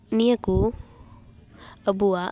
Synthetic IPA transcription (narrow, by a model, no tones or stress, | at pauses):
nijaku | əbua